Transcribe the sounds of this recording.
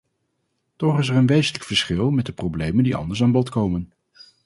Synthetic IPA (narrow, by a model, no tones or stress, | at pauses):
tɔχɪsɛɹənʋejzənləkfəɹsχɪlˠmɛt̚dəprowblejməndiɑ̰ndəɹs̬aːnbɔtkowmən